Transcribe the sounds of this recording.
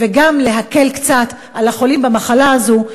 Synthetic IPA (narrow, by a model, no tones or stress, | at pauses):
veɡamle̞ɦake̞lkt͡sat | alaχo̞limbamaχalaːzu